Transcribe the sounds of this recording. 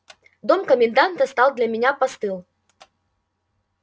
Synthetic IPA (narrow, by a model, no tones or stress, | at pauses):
d̪ɔmkəmʲɪnd̪ant̪ɐst̪alˠd̪lʲɐmʲɪnʲapast̪ɨlˠ